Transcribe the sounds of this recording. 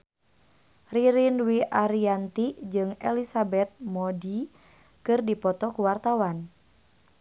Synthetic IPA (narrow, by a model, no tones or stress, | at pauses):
riɾinwiʔaɾiant̪id͡ʒɨŋɛlisabɛt̪̚mɔdi | kɨrdipɔt̪ɔkuwart̪awan